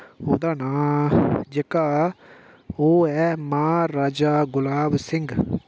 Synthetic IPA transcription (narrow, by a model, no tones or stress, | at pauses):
ɦoːd̪aːnaːd͡ʒekaː | oːɛːmaːɾaːd͡ʒaːɡʊlaːbsɪŋɡ